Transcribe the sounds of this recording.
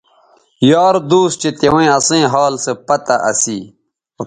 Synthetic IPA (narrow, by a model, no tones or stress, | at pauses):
jaːɾd̪uːst͡ɕet̪ewẽɐsẽːɦaːlsepɐt̪aʔɐ̰si